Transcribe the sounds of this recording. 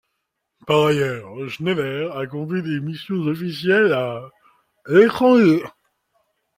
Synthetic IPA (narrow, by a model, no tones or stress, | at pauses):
paʁajœːʁʒnevɛʁakɔ̃d̪ɥid̪emisjɔ̃zɔfisjɛla | let̪χɑ̃